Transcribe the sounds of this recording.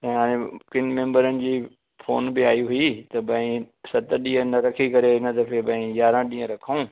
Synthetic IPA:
t̪ɐ̃ɦaːɽ̃ẽkɪnmẽːmbəɾənɪ̆d͡ʑiː | foːnbɪaːiɦuit̪ɐbɐ̃ĩsɐt̪ɗĩːə̃nɐɾɐkʰikɐɾeɪnət̪ɐpʰebɐ̃ĩjaːɾãɗĩːə̃ɾɐkʰaũː

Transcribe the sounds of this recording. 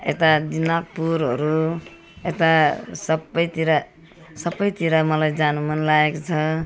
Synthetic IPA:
ḛt̪ad̪inak̚puɾɦʌɾu | et̪asʌbʌjt̪iɾa | sʌbʌjt̪iɾamʌlajd͡zanumʌnlaekt͡sʰʌ

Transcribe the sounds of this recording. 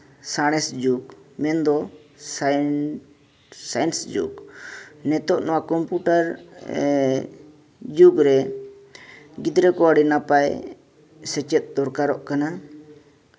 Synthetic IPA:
saɽ̃ɛsd͡ʒukmɛnd̪ɔs | sajnsd͡ʒṵɡnɛt̪ɔʔnɔwakɔmpuʈaɾ | d͡ʒuɡɾɛ | ɡid̪ɾɛkɔaɽinapaj | sɛt͡ʃɛt̪̚d̪ɔɾkaɾɔʔkana

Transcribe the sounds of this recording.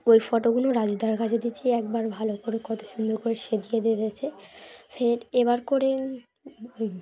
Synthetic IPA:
ojfɔʈoɡunoɾad͡ʑud̪ʱaɾkat͡ɕʰed̪it͡ɕʰiɛk̚baɾbʱalokoɾekɔt̪ʰo̥ʃund̪ʱoɾkoɾeʃed̪ijed̪ed̪et͡ɕʰefʰeɾeβaɾkoɾe

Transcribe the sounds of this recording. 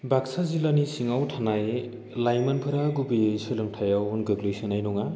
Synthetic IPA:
baksazilanisiŋawtʰanaj | lajmanpʰɯɾaɡubijesɯlɯŋtʰajawnɡɯɡlejsinajnɔŋa

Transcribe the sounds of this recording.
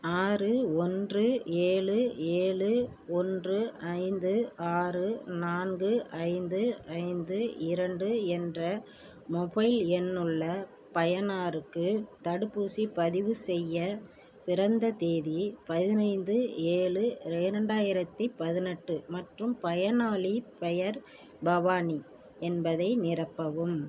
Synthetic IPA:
aːrɯɔndrɯeːɭɯeːɭɯ | ɔndrɯɐɪnd̪ɯaːrɯnaːnɡɯʔɐɪnd̪ɯɐɪnd̪ɯɪɾɐɳɖɯɛndrɐ | mɔbɐɪlɛnːɯɭːɐ | pɐjɐnaːɾɯkːɯt̪ɐɽɯpːuːsipɐðɪʋɯsɛjːɐ | pɪrɐnd̪ɐt̪eːðipɐðɪnɐɪnd̪ɯeːɭɯɪɾɐɳɖaːjɪɾɐt̪ːipɐðɪnɛʈːɯmɐʈrɯmpɐjɐnaːɭipɛjɐɾ | bɐʋaːni | ɛnbɐðɐɪnɪrɐpːɐʋɯm

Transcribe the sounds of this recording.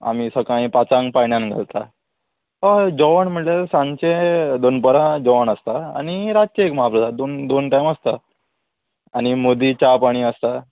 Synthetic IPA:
a̰misəkãĩpat͡sãŋkpaɳjanɡʱa̰lt̪a | əd͡ʑɔʋəɳmiɭlesãɲt͡ɕed̪onpəɾãd͡ʑɔʋəɳəst̪aa̰ɽ̃iɾat̪̚t͡ɕeekməɦapɾəd̪ad̪ond̪onʈajməst̪a | añimod̪it͡ɕapaɽ̃iəst̪a

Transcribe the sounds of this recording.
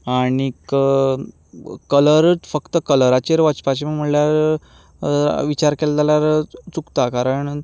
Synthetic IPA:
aɽik | kələɾt͡sfəkt̪əkələɾat͡ɕeɾʋət͡spat͡ɕeməm̤əɳljaɾ | ʋit͡ɕaɾkɛlt̪aljaɾt͡sukt̪akaɾəɳ

